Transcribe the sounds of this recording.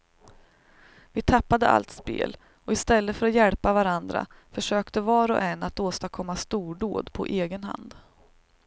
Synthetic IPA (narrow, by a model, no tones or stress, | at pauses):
vɪt̪ʰapːad̪əʔa̰lt̪spḛːl | ɔɪst̪ɛlːəfœɾat̪jɛlpavaɾand̪ɾa̰fœʂøːkt̪əvɑːɾɔ̰ʔɛnːat̪oːst̪akʰɔmːast̪uːɖoːd̪pʰɔ̰ʔeːɡənɦa̰nd̪